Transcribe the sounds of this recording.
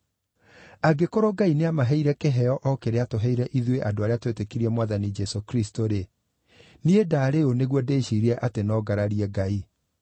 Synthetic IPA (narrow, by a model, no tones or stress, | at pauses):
aɡekoɾoɡaineamaɦɛiɾɛkeɦɛɔʔɔkeɾeatoɦɛiɾɛʔiðweʔadoaɾeatwetekiɾiɛmwaðanid͡ʒɛsokɾistoɾe | niedaːɾeoneɣwɔdeʃiɾiɛʔatenɔːɡaɾaɾiɛɡai